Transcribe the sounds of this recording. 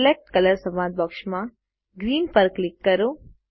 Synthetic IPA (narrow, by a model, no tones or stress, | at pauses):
lek̚ʈkɐləɾsɐmaːd̪̚bɔkʃmã | ɡɾiːnpəɾklɪkːɐɾo